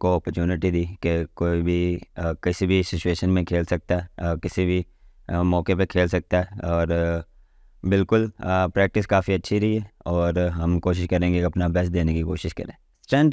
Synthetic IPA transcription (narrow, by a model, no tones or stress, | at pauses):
koɔːpəɾt͡ʃuːnɪʈid̪iːkekoːibʱikɪsibʱisɪt͡ʃueːʃənmẽkʰeːlsɐk̚t̪aɦɛkɪsibʱi | mɔːkepekʰeːlsɐk̚t̪aɦɛɔːɾ | bɪlkʊlpɾɛːk̚ʈɪskaːfiɐtːʃʰiɾɐɦiɦɛɔːɾɦɐ̃mkoːʃ̬ɪʃkɐɾẽːɡiɐpnabɛsd̪eːnekikoːʃɪʃkɐ̰ɾẽː | sʈɾɛ̃ɳʈ